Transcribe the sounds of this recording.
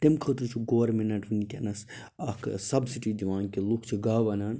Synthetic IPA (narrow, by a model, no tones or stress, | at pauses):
ʈ̪imkʰət̪ɾɨt͡ʃʰuɡoʋɾmenɐʈʋinikʲeɐnɐs | ɐksɐbsiʈiːd̪iʋaːnkʲilukʰt͡ʃʰiɡaːʋɐnaːn